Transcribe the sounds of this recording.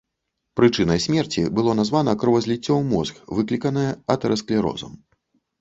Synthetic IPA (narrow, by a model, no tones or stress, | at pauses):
pɾɨt͡ʂɨnɐjsʲmʲɛrt͡sʲibɨlˠɔnazvan̪ɐkɾɨvɐzʲlʲit͡sʲːɔwmɔzkvɨklʲikɐnɐjɛɐt̪ɛɾɐsklʲiɾɔ̰zɐ̰m